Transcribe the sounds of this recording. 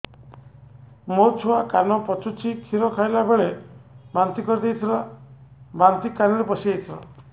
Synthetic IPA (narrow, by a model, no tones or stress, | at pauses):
moɾt͡ʃʰuakanɔpɔt͡ʃut͡ʃʰit̪ʰiɾɔkʰajlabeɭebant̪ikɔɾid̪ejt̪ʰilɔ | bant̪ikːanɔɾepɔsiejt̪ʰilɔ̰